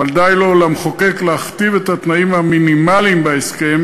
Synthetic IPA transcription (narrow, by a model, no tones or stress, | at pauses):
ald̪ajlo̞lamχoke̞kleaχt̪ive̞t̪at̪naimhaminimalimbaeske̞m